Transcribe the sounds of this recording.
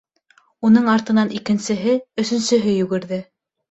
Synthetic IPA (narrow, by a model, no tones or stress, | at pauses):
unɤɴɑɾt̪ɤ̆nɑnikɘ̆nsɘ̆ɦɘɵ̆sɵ̆nsɘ̆ɦɘjʉɡɘ̆ɾðɘ